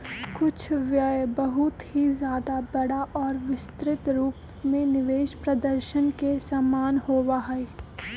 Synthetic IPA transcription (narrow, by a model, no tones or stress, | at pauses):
kʊt͡ʃʰʋjəbɐɦʊt̪ɦizjaːd̪abɐɽaʔɔːɾʋɪst̪ɾɪt̪ɾuːp | mẽnɪʋeːʃpɾɐd̪əɾʃənkesamaːnɦoːwaɦɛe